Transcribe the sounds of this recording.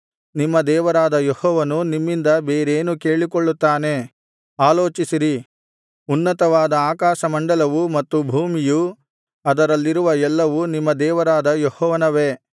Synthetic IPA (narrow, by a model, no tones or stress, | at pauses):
nimːɐd̪ɛːʋɐɾaːd̪ɐjɔhɔːʋɐnunimːind̪ɐbe̞ːɾeːnukeːɭikoɭːut̪ːaːne̞ | aːloːt͡ʃisiɾi | unːɐt̪ɐʋaːd̪ɐaːkaːʃɐmɐɳɖɐlɐʋumɐt̪ːubʱuːmiju | ɐd̪ɐɾɐlːiɾuʋɐɛlːɐʋunimːɐd̪ɛːʋɐɾaːd̪ɐjɔhɔːʋɐnɐʋeː